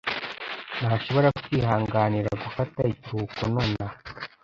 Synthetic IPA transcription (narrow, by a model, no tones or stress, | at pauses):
naʃo̞βo̞ɾaku̥tihaːŋɡaːniɾa̰ɡufataiciɾuːkonoːna